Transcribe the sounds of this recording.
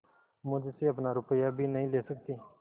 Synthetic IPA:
mʊd͡ʒseːɐp̬naːɾʊpəjaːbʱiːnəɦĩːleːsək̚t̪iː

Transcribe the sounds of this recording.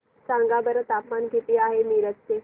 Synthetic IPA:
sãŋɡabəɾət̪apmanɡʱet̪iːaɦemiɾəste

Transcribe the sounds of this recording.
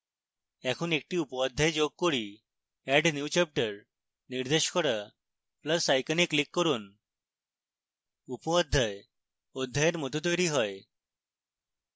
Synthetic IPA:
ɛkʰuːnek̚ʈiːupad̪ʱːajd͡ʑoɡ̚koɽi | ɛɖnjut͡ɕɛp̚ʈəɾ | niɾd̪eɕkɔɾa | pləsajkənikːlikːɔɾuːn | upɔad̪ʱːaj | od̪ʱːajeɾmɔt̪ut̪̬ojɾiːɦɔj

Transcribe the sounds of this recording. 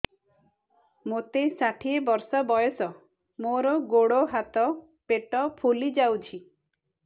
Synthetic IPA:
mot̪esaʈʰiebɔɾsɔbɔjɔsɔ | moɾɔɡoɽoɦat̪ɔ | peʈɔpʰulid͡ʒawt͡ʃʰi

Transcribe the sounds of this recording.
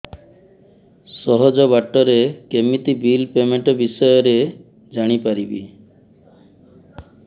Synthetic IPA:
sɔɦɔd͡ʒɔbaʈːɔɾekemit̪ibilpemeɳʈɔbisɔjɔɾe | d͡ʒaɽ̃ipaɾibḭ

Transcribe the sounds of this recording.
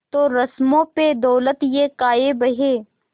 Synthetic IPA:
t̪oːɾɐsmõped̪ɔːlət̪jekaːebɐɦeː

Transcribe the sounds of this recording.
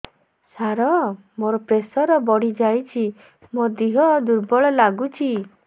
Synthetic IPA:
saɾɔ | moɾɔpɾesɔɾɔbɔɽ̤id͡ʒajt͡ʃʰi | mod̪iɦɔd̪uɾbɔɭɔlaɡut͡ʃʰi

